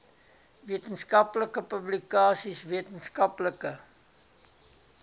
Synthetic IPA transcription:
viətənskɐpləkəpəblikɑːsisviətənskɐpləkə

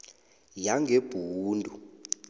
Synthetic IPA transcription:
jaŋɡʱeb̥ʱuːndʱu

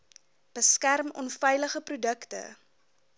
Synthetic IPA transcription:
b̥əskærmɔ̰nfɛjləχəprudəktə̰

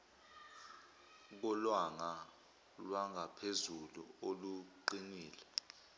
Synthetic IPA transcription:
k̬ɔlwaŋa | lwaŋɡʱapʰezulṵoluǃiniːlɛ

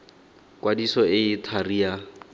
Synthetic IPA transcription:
kʼwadisɔɪɪtʰaria

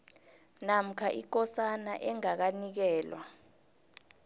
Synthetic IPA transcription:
nam̩kʰaʔik̬ɔsanaʔɛŋak̬anik̬ɛːlwa̰

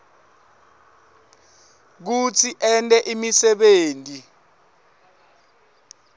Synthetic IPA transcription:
k̬ut͡sʰiʔɛntʼɛʔimisɛɓeːntʼi

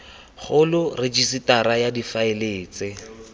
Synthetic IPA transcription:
χʊlʊrɪd͡ʒisitaɾajadifaɪleːt͡sɪ

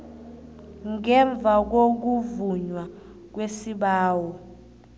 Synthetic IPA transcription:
ŋɛɱb̪vʱak̬ok̬uvuɲwa | k̬wesiɓaːwɔ

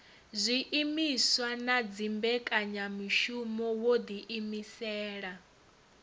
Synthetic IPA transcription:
zʷiʔimiswanad͡zimbɛkʼaɲamiʃumɔwod̪iʔimisɛːɺa

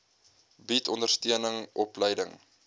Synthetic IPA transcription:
bitʰɔndərstiənəŋʔɔpləjdəŋ

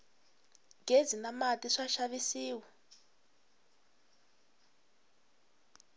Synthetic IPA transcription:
ŋɡʱed͡zinamatʼiʂaʃaβisiːwa

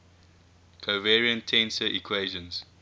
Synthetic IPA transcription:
kʰovɛɹiə̃ntʰɛ̃nsəʔikʰweɪʒə̃nz̥

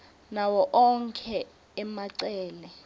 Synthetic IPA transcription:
nawɔʔɔŋkʰɛ | ɛmaǀɛːlɛ

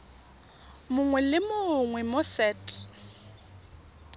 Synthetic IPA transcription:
mʊŋwɛlɪmoŋwɛmosɛːtʼ

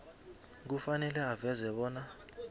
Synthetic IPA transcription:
k̬ufanɛlɛavɛzɛɓɔːna

